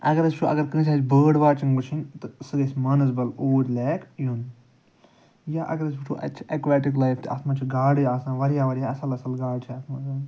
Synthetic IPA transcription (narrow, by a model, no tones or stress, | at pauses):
ɐ̰ɡɐɾɐsʲt͡ʃʰuʔɐ̰ɡɐɾkɨ̃ːt͡ʃʰaːt͡ʃʲbəːɽʋaːt͡ʃiŋɡbɨt͡ʃʰinʲt̪ɨsɨɡɐsʲmaːnɐsbɐloːɾʲlɛːkjuːn | jaʔɐ̰ɡɐɾɐs̬biʈʰuːʔɐ̰t͡ʃʰɐkʋɛːʈiklajft̪ɨɐ̰t̪maːt͡ʃʰuɡaːɽijaːsãːʋɐɾijaːʋɐɾijaːɐsɐlɐsɐlɡaːɽt͡ʃʰiɐt̪mazaː